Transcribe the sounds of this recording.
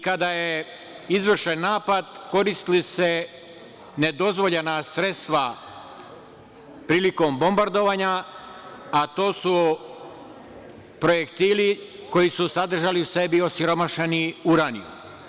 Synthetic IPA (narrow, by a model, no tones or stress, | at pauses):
kad̪aje | izʋr̩ʃenːaːpad̪ko̞ɾist̪ilise̞ | ne̞d̪o̞zʋo̞ʎenasɾe̞t̪st̪ʋa | pɾiːliko̞mbo̞mbaɾd̪o̞ʋaːɲa | at̪o̞ːsu | pɾo̞jekt̪iːli | ko̞jisusad̪r̩ʒaliuse̞bio̞siɾo̞maʃeniuɾanḭjṵ